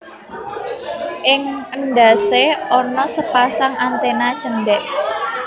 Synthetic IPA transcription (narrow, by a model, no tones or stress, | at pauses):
ʔɪŋənɖaseɔnɔsəpasaŋʔant̪enḁt͡ʃəndɛʔ